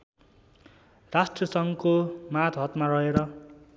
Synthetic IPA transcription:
rasʈrʌsʌŋkomat̪ʰɦʌt̪maɾʌɦeɾʌ

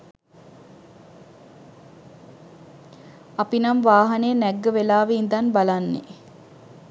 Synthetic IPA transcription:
apinamʋaːɦaneːnɛɡːəʋelaːʋeind̪anbalanːḛ

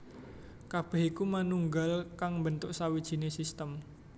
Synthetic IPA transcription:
kab̥ɛ̤hikumanuŋɡalkaŋmbənt̪ʊʔsawid̥ʒ̥i̤nesist̪əm

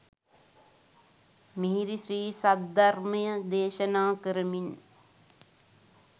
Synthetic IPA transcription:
miɦiɾiʃɾiːsad̪ɐrmɐjəd̪eːʃənaːkəɾəmin

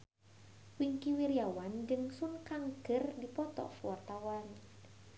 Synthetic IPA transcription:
wiŋkiwiɾijawand͡ʒɨŋsunkaŋɡərdipɔt̪ɔ̰fuart̪awan

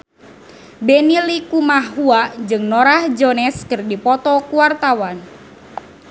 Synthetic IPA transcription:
benilikumaɦuad͡ʒɨŋnɔɾahd͡ʒɔnɛskərdipɔt̪ɔkuwart̪awan

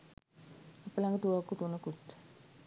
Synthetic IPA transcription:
apəlaŋɡət̪uʋakːut̪unəkuʈː

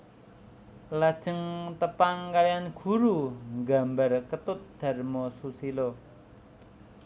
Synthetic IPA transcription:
lad̥ʒ̥ə̤ŋt̪əpaŋkalijanɡ̥ṳɾuŋɡambarkət̪ʊt̪̚d̪̥a̤rmɔsusilo

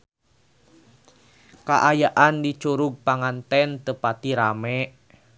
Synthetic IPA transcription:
ka̰ʔajaʔandit͡ʃuɾuɡ̚paŋant̪ɛnt̪əpat̪iɾamɛʔ

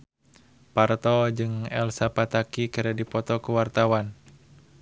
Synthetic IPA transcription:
part̪ɔd͡ʒɨŋɛ̰lsapat̪akikɨɾɛdipɔt̪ɔkuwart̪awan

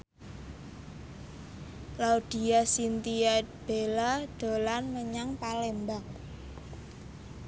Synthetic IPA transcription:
laud̪̥i̤asint̪iat̪̚b̥elad̪̥o̤lanməɲaŋpalembaŋ

